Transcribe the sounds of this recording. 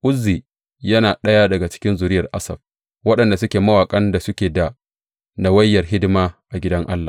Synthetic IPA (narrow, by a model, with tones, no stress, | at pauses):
ʔʊ˦zːiː˨ | jɐ˦naː˨ɗɐ˦jaː˦dɐ˨ɡa˨t͡ʃɪ̥˦kʲɪ˦nzʊ˨ɾɪ˦jɐ˨rʔa˦sɐ̰˨b̚ | wɐ˦ɗɐ˨nda˨sʊ˦kʲeː˨mɐ˦waː˨kʼɐ˦nda˨sʊ˦kʲeː˨da˨ | na˨wɐ˦jːɐ˨rɦɪ˦dɪ˦maː˦ʔa˨ɡʲɪ˦dɐ˦ŋʔa˦lːa˨